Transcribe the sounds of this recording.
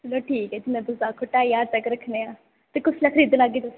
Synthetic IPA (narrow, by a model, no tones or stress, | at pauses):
loʈʰiːkɦɛd͡ʒɪmẽb̪ʊzaːkʰʊʈaːjaːɾt̪ɐkɾɐkʰneaː | t̪ekʊslaːkʰəɾiːd̪laɡiːt̪ɐs